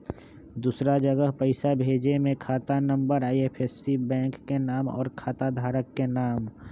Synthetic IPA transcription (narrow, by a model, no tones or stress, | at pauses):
d̪uːsɾad͡ʒəɡəɦpəɪsabʱeːd͡ʒemẽkʰaːt̪anə̃mbəɾaːiepʰesːibɛ̃ːŋkːenaːmɔ̰ːɾkʰaːt̪ad̪ʱaːɾəkːenaːm